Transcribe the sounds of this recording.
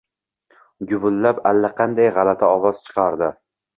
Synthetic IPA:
ɡʊvʊlːapalːaqʰɑnd̪ajʁɑlat̪ʰaɒvɒz̥t͡ʃʰɨ̥qʰɑɾd̪ɪ

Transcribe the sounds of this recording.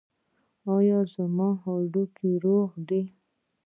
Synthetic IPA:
ɑjɑzamɑɦɑɖukiɾoɣd̪i

